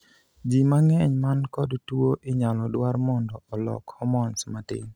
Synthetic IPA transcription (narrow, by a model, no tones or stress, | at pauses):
d͡ʒimaŋɛɲmankɔdtwoʔɪɲalɔdwaɾmɔndɔɔlɔ̰khɔmɔnsmatɪ̰ɲ